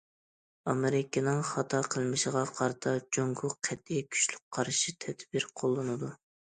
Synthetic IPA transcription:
ɑmɪɾɪkʲɪnɨŋχɑt̪ʰɑqʰəlˠmɪʃɪʁɑqʰɑɾɨt̪ʰɑd͡ʒoŋkʰʊqʰɛt̪̚ijkʲʰy̥ʃlyk̚ʲqʰɑɾʃit̪ʰɛd̪̥bɪɾqʰolˠːɨnɨd̪u

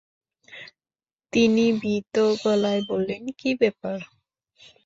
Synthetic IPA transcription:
t̪inibit̪oɡɔlaebolːenkibɛpaɾ

